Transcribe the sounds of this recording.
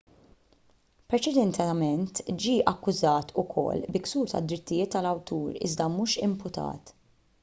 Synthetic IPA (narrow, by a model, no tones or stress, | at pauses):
pɾɛt͡ʃɛd̪ɛnt̪ɛmɛnt̪d͡ʒiːʔɐkːʊzɐːt̪ʊkʰɔ̰lːbɪksuːɾt̪ɐ̰d̪ːɾɪt̪ːɪjɪːt̪ːɐlɐwt̪ʰuːɾɪ̰zd̪ɐmuːʃɪmpʊt̪ʰɐ̰ːt̪